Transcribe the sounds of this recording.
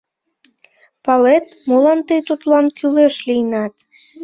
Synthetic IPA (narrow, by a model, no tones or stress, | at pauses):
pɑlet̪molɑnt̪əjt̪ut̪lɑnkyleʃlijnɑt̪